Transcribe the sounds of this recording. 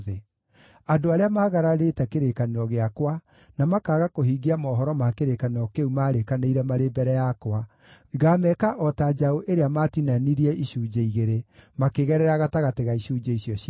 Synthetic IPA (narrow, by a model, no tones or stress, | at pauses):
ðe | adoaɾeamaːɣaɾaɾetɛkeɾekaneɾɔɣeakwa | namakaɣakoɦiɡiamɔːɦɔɾɔmakeɾekaneɾɔkeumaɾekaneiɾɛmaɾebɛɾɛjakwa | ɣamɛkaʔɔtad͡ʒaoʔeɾeamatinaniɾiɛʔiɕuːd͡ʒeiɣeɾemakeɣɛɾɛɾaɣataɣateɣaiɕuːd͡ʒeiɕjɔɕ